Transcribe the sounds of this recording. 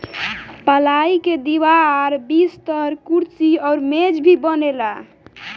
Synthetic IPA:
pəlaiked̪iβaɾbist̪əɦɾkuɾt͡ʃiɔːɾmed͡ʒbʱibənela

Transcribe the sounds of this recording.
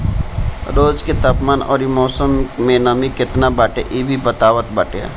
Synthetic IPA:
ɾoːd͡ʒket̪apmaːnɔ̰ːɾimɔːsəmːẽnəmikɪt̪nabaːʈeʔiːbʱibət̪aːʋət̪baʈḛ

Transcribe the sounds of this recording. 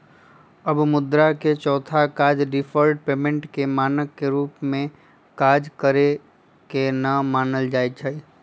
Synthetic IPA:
əbmʊd̪ɾaket͡ʃɔːt̪ʰakaːd͡ʒɖɪfʰəɾɖpeːmẽɳʈkemaːnəkːeɾuːpmẽ | kaːd͡ʒkəɾe | kenəmaːnəld͡ʒaːet͡ʃʰəi

